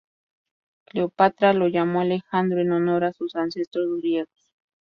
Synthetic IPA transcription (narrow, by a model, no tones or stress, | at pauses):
kleopat̪ɾalojamoalexand̪ɾoenonoɾasusansest̪ɾozuɾjeɣos